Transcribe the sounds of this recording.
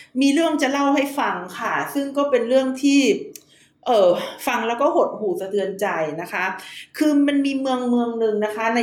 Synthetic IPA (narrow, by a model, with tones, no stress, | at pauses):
miː˧ɾɯ˥˩əŋt͡ɕa˨˩la˥˩wɦa˥˩jfa˧ŋkʰa˥˩sɯ˥˩ŋkɔː˥˩pe˧nɾɯ˥˩əŋt̪ʰiː˥˩ | ʔɤː˨˩fa˧ŋlɛː˦˥wkɔː˥˩ɦo˨˩t̪̚huː˨˩sa˧t̪ʰɯ˧ənt͡ɕa˧jna˦˥kʰa˦˥kʰɯː˧ma˧nmiː˧mɯ˧əŋmɯ˧əŋnɯ˨˧ŋna˦˥kʰa˦˥na˧